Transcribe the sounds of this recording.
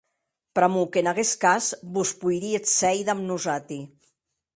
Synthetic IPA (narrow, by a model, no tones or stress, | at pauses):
pɾamukenaɣeskazbuspujɾiet̪sɛjðamnuzat̪i